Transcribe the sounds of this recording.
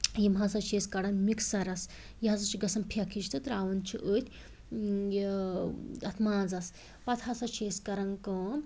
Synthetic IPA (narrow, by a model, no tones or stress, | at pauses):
jimɦasɐt͡ʃʰeskɐɽɐnmiksɐɾɐs | jiɐzɐt͡ʃʰiɡɐsɐmpʰakʰit͡ʃʰt̪ɨt̪ɐɾaːʋɐnt͡ʃʰiʔəːt̪ʲ | j | ɐt̪ʰmaːd͡zɐs | pɐt̪ʰasɐt͡ʃʰeskɐɾɐŋkɐ